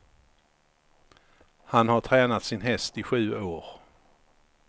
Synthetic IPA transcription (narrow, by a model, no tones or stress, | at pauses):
hanhaʈʰɾɛːnat̪sɪnɦɛst̪ɪɧʉ̟ːoːɾ